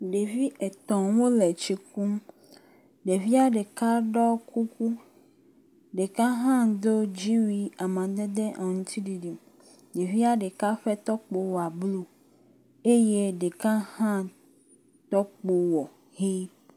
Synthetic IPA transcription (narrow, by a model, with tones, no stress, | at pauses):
ɖe˨vi˦ʔe˨t̪ɔ̃˨wo˦lɛ˨t͡ʃi˦ku˦m | ɖe˨vi˦a˨ɖe˨ka˦ɖɔ˦ku˦ku˦ | ɖe˨ka˦ɦã˦d̪o˦d͡ʑi˦wi˦a˨mã˨d̪e˦d̪e˦ʔa˨ŋũ˨˦t̪ʰi˦ɖi˨ɖi˨ | ɖe˨vi˦a˨ɖe˨ka˦ɸɛ˦t̪ɔ˦k͡po˦wɔ˨a˨blu˦ | e˦je˦ɖe˨kã˦hã˦ | t̪ɔ˦k͡po˦wɔ˨ | hi˦